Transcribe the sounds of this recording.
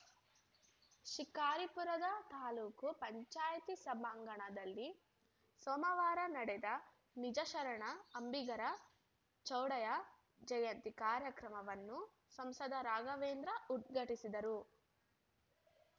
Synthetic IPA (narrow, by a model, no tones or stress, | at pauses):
ʃikaːɾipuɾɐd̪ɐt̪aːluːkupɐɲt͡ʃaːjɐt̪isɐbɐŋɡɐɳɐd̪ɐlːi | sɔːmɐʋaːɾɐnɐɽɛd̪ɐ | nid͡ʒɐʃɐɾɐɳɐːmbiɡɐɾɐ | t͡ʃɐwɽɐjɐ | d͡ʒɐjɐnt̪ikaːɾjɐkɾɐmɐʋɐnːu | sɐmsɐd̪ɐɾaːɡɐʋeːnd̪ɾɐut̪ɡɐʈisid̪ɐɾu